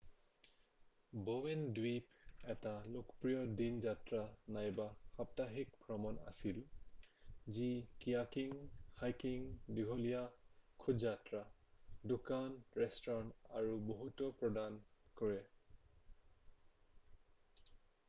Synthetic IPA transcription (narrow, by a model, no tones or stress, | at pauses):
bowɛndwipɛtalokpɹijɔdinzatɹanajbaxap̚taɦikbʱɹɔmɔna̰sil | zikijakiŋhajkiŋdiɡʱɔlijakʰudzatɹa | dukanɹɛstɔɹɔntaɹuboɦutɔpɹɔdankɔɹɛ